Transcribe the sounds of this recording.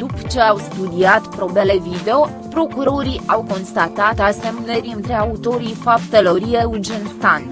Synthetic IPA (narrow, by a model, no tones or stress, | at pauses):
d̪upə̥t͡ʃe̞awst̪ud̪iat̪pɾo̞bele̞vid̪e̞o̞ | pɾo̞kuɾo̞ɾiawko̞nst̪at̪at̪ase̞mneɾiɨnt̪ɾe̞aut̪o̞ɾijfapt̪elo̞ɾieurd͡ʒent̪anʲ